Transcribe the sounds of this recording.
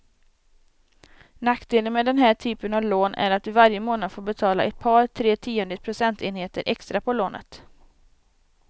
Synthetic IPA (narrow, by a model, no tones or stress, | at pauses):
nakd̪eːlənmɛd̪ɛnɦæːʈʰyːpənavloːnʔæ̰ɾat̪̚d̪ɵvaɾjəmoːnad̪foːɾbɛt̪ʰɑːla̰ʔɛt̪̚pʰɑːɾʈʰɾeːt̪ʰiːɛnd̪ɪt̪̚pʰɾʊsɛnt̪ʰeːnheːt̪əɾʔɛkst̪ɾapʰɔloːnʔə̰t̪